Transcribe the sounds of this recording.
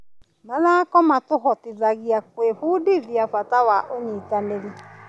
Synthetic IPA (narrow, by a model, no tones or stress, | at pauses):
maðakɔmatʊɦɔtɪðaɣiak̚weɸudiðiafatawaʔoɲitaneɾi